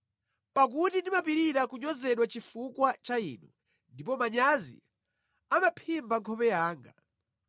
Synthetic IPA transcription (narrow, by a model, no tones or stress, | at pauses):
pak̬utindimapiɾiɾakuɲɔzɛɗwat͡ʃifukwat͡ʃaḭːnu | ndipɔmaɲazḭ | amapʰimbaŋkʰɔpɛjaːŋɡa